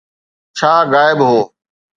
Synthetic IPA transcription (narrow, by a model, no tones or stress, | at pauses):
t͡ʃʰaːɣaːɪbɦoː